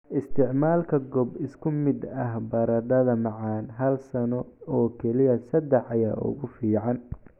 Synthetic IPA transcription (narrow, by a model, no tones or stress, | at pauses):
ɪst̪ʰɪʕmaːlkʰɐɡɔbɪskʰʊmɪd̪ɐɦbɐɾɐɖɐðɐmɑʕɑːnɦɐlsɐnɔɔːkʰɛlɪjɐsɐd̪ɛħɐjaːʔʊ̰ɣʊfiːʕɑn